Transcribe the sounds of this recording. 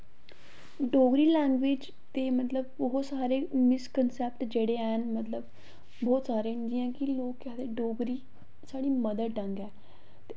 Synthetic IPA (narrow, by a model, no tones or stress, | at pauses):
ɖoːɡɾiːlɛ̃ːŋɡʋeːd͡ʒ | t̪eːmət̪ləbɔːt̪saːɾeːmɪskənsɛp̚ʈd͡ʒeːɽeːɛːnmət̪ləb | bɔːt̪saːɾeːɦnd̪ijãːkɪloːkːɛːt̪eːɖoːɡɾiː | saːɽiːməd̪əɖə̃ŋɡɛː | t̪e